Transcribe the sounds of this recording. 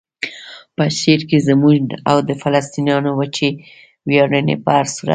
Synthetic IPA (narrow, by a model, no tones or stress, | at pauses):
pəʃeɾkezəmuʒa̰wd̪əfalast̪injɑnowət͡ʃe | wjɑɽənḛpaaɾsuɾa̰